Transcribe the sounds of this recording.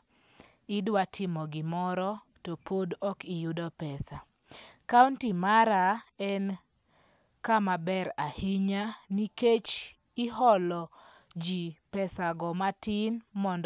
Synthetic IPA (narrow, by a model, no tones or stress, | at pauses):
ɪdwatʰɪmɔɡɪmɔɾɔ | topʰodɔkijudɔpɛsa | kauntimaɾaɛn | kamabɛɾahiɲaniket͡ʃ | ɪɦɔlɔ | d͡ʒipɛsaɡɔmatɪnmɔnd